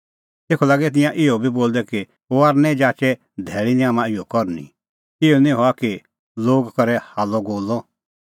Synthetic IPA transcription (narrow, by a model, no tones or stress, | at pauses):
t̪eːkʰɔlaːɡɛt̪̬ɪ̃jãʔɪɔbʱiboːld̪ɛki | oaɾnɛd͡ʒaːt͡ʃɛ | d̪ʱɛːɭiniãːmãɪjɔkɔɾnḭ̃ | ɪɔnĩɦɔaki | loːɡkɔɾɛhaːlɔɡoːlɔ